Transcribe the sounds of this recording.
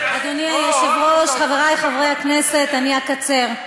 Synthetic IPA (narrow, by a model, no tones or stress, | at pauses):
ad̪oniajoʃevʁoʃχaveʁajχavʁejhaknese̞t̪aniakat͡se̞ʁ